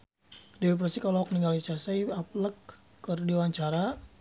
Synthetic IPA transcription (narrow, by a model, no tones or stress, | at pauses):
diɛp̬ɾasikalɔɦɔk̚niŋɡalit͡ʃasajapləkː | ərdiwaɲt͡ʃaɾa